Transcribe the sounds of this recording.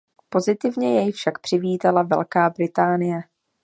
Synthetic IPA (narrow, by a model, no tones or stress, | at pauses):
po̞zɪt̪ɪvɲɛjɛjfʃakpr̥ɪviːt̪alavɛ̰lkaːbɾɪt̪aːnɪjɛ